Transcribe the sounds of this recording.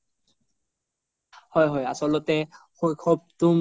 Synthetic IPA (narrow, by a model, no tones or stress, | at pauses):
hɔjɦɔja̰sɔlɔtɛ | xojkʰɔp̚tum